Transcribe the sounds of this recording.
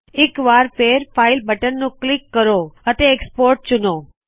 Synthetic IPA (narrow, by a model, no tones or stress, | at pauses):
ekʋaɾpeɾfailbəʈənnũklikːəɾoət̪eːkspoɾʈ̚t͡ʃuno